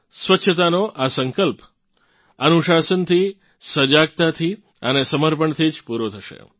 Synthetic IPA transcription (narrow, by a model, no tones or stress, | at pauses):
sʋətːʃʰət̪anoʔasəŋkəlp | ənuʃasənt̪ʰi | səd͡ʒaɡ̚t̪at̪ʰi | ənesəməɾpəɳt̪ʰid͡ʒpuɾot̪ʰəʃḛ